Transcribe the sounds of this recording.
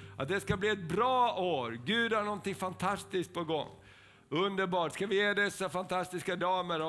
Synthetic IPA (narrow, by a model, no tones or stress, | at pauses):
at̪̚d̪ɛskabliːɛt̪̚bɾɑːoːɾɡʉ̟ːd̪haɳɔnt̪ɪŋfant̪ʰast̪ɪskt̪̚pʰɔɡɔ̰ŋː | ɵnd̪əɾbɑːʈskavɪjeːd̪ɛsːafant̪ʰast̪ɪskad̪ɑːməɾɔ